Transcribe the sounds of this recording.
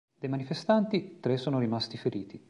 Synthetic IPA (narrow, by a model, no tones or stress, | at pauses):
d̪ejmanifest̪ant̪it̪ɾesːoːnoɾimast̪ifeɾiːt̪i